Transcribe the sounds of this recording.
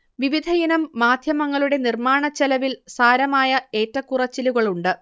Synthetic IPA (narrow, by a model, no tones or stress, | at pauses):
ʋiʋid̪ʱɐjɐnɐmːaːd̪ʱjɐmɐŋːɐɭuɽe̞nirmaːɳɐt͡ɕːɐlɐʋilsaːɾɐmaːjɐe̞ːtrɐkːurɐt͡ɕːiluɣɐɭuɳɖɨ